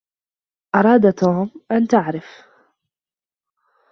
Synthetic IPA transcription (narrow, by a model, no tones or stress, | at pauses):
ʔɑɾˤɑːd̪t̪oːmʔant̪aʕɾɪf